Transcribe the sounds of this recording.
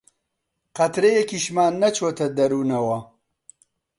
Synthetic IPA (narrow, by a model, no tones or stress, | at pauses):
qɐt̪ɾejekiʃmaːnːɐt͡ʃʰoːt̪ʰɐd̪ɐɾuːnɐwɐ